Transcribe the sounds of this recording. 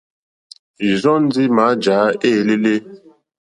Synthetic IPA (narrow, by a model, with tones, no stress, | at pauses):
i˨zɔ˦n˦di˦ma˨˦d͡ʒaː˨˦e˦˨le˦le˦